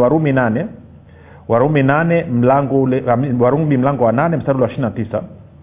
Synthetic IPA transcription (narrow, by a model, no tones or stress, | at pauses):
waɾuminanɛ | waɾuminanɛm̩laŋɡɔlwaɾuŋɓim̩laŋɡɔwananɛm̩staɾulwaʃininatisa